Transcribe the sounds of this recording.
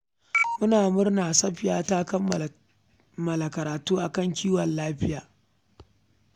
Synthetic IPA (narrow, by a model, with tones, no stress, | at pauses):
mʊ˦naː˨mʊ˦rnaː˨sɐ˦ɸɪ˨jaː˦taː˦kɐ˦m˨ | mɐ˨la˨kɐ˨ɾaː˨tuː˦ʔa˨kɐ˦ŋkʲiː˦wɐ˨nlaː˦ɸɪ˦jaː˨